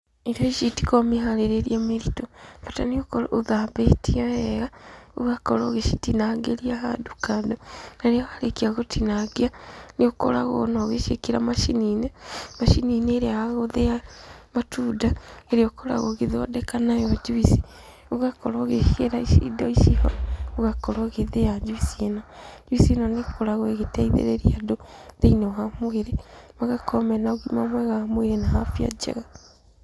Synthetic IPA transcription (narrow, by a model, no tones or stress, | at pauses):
eɾjoiʃiti̥komiɦaleɾeɾiameɾitofataniokoluðabetiaeɣauɣakoloɣeʃitinaɡeliahadu̥kadonaɾiaɣalekiaɣotʰinaɡianioko̰la̰ɣo̰noɣeʃekiɾamaʃininemaʃinineːɾiaaɣoðejamatuːdaeɾeɔkoɾa̰ɣoɣeðɔdɛkanajɔd͡ʒuisi̥ | oɣakɔɾɔɣeeɾaiʃḭdɔiʃihɔ̰oɣakɔɾɔɣeðejad͡ʒuisienad͡ʒuisienaneokoɾaɣɔeɣetɛiðḛɾeɾiadoðeinɛɔɦamoeɾemaɣakɔmɛnaoɣimamwɛɣaamweɾenahafia̰d͡ʒɛ̰ɣa